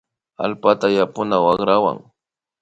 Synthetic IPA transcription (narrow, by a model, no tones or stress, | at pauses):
a̰lpat̪ajapʊnawɑχɾawa̰ŋ